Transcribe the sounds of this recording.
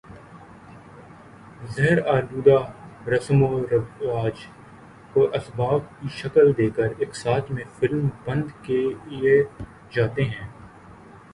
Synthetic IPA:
zɐɦəɾaːd̪uːd̪aɾɐsmoɾɐʋaːd͡ʒ | koʔɐsbaːb̚kiʃɐkəld̪eːkəɾeːksaːt̪ʰmẽfɪlmbɐ̃nd̪keie | d͡ʒaːt̪eɦɛ̃ː

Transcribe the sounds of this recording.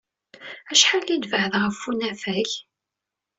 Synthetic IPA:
æʃħalːid̪vəʕðʁəfːunæfæç

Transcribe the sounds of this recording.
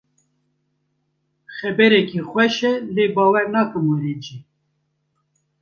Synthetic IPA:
xɛbɛɾɛkiːxʷwɛʃɛleːbɑːwɛɾnɑːkɨmoɾed͡ʒi

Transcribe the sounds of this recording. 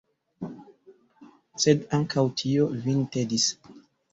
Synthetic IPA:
sedaŋkʰawtʰiovintedis

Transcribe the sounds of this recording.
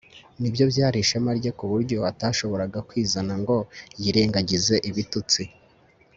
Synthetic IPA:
nibjo̞bjaːɾiʃemaɾɟekuβuɾɟo̞ataːʃo̞βo̞ɾaɡakwiːzanaŋɡo̞jiɾe̞ːŋɡaɟize̞ʔiβitut͡si

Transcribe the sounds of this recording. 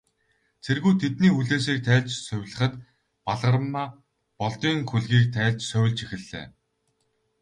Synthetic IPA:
t͡sʰerɣujt̪ʰet̪niːuɮeːsiːk̚t̪ʰæːɮt͡ɕsœwʲɮə̆χə̆t̪ | paɮʁə̆rmːaː | pɔɮt̪iːŋxuɮɣiːk̚t̪ʰæːɮt͡ɕsœwʲɪ̆ɮt͡ɕixɘ̆ɮːḛː

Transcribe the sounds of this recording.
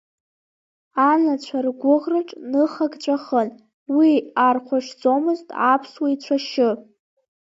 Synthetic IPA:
anat͡ɕʷʰarɡʷʊʁrɨʈ͡ʂʼnɨχaɡt͡ɕʷʰʼaχən | wiarqʷʰaʂd͡zomɨztʼa̰pʰswait͡ɕʷʰaʃɪ

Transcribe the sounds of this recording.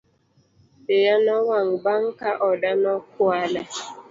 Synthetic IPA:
ejanɔwaŋ̩baŋ̩kaʔɔdanɔkʊala

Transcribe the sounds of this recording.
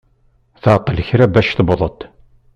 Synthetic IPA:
θəʕt̪ˤːələçɾæbæʃθbðˤət̪

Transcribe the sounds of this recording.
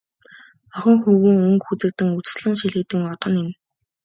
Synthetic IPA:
ɔχʲɪ̆ŋxɵɣɘ̆ŋɵŋkxut͡sɘ̆k̚t̪ɘ̆ŋut͡s̆sɮə̆ŋʃiɮɘ̆k̚t̪ɘ̆ŋɔt̪ɞ̆nin

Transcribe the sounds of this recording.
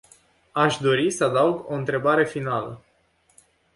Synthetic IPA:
aʃd̪o̞ɾisəad̪auɡo̞ɨnt̪ɾe̞baɾe̞finalə̰

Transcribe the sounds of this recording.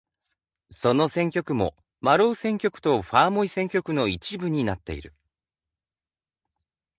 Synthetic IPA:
so̞no̞sẽ̞ŋkʲo̞kɯ̟mo̞̰ | maɾoːsẽ̞ŋkʲo̞kɯ̟̥t̪o̞ɸaːmo̞isẽ̞ŋkʲo̞kɯ̟no̞it͡ɕibɯ̟ɲ̟inat̪ːe̞̰ḭɾɯ̟

